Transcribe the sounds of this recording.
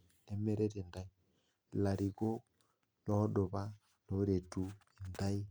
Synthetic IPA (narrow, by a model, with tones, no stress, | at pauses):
ne˨me˦ɾe˦ɾe˨nda˦i˦ | la˨ɾi˨ko˦ | lɔ˦do˨βa˦ | lo˨˦ɾe˨tu˨i˨nda˦i˦